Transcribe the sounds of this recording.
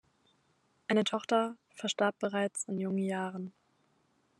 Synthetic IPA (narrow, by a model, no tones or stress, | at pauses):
ʔaɪnətʰɔχtɐ | fɛɐʃtaɐp̚b̥əʁ̞aɪt͡sɪnjʊŋənjaːʁən